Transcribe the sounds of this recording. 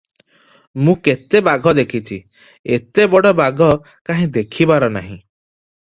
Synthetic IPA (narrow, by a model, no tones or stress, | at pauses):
mũket̪ebaɡʱɔd̪ekʰit͡ʃʰi | et̪ebɔɽɔbaɡʱɔ | kaɦĩd̪ekʰibaɾɔnaɦĩ